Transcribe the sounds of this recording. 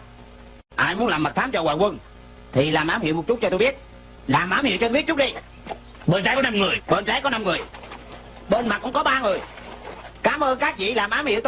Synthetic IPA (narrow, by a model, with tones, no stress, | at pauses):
ʔaː˧jmu˨˦ənlaː˨˩mːə˨˩t̚t̪ʰaː˨˦mt͡ɕɔ˧waː˨˩wə˧n | t̪ʰi˨˩laː˨˩mʔaː˨˦mhḭ˧˨əmo˨˩t̚t͡ɕʊ˦˥t̚t͡ɕɔ˧t̪o˧jɓi˦˥ət̚ | laː˨˩mʔaː˨˦mhḭ˧˨wt͡ɕɔ˧o˧˩˦t̚t͡ɕʊ˦˥t̚ɗi˧j | ɓə˧nt͡ɕaː˨˦jkɔ˨˦na˧mŋɨ˨˩əjɓə˧nt͡ɕaː˨˦jkɔ˨˦na˧mŋɨ˨˩əj | ɓə˧nmaː˨˩kʊ̰˧˥ŋ͡mkɔ˨˦ɓaː˧ŋɨ˨˩əj | kaː˨˦mʔəː˧nkaː˦˥k̚vḭ˧˨laː˨˩mʔaː˨˦mhḭ˧˨ət̪